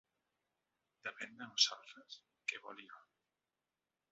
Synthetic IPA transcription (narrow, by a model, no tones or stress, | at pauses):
d̪epend̪eβosalt̪ɾes | keβolio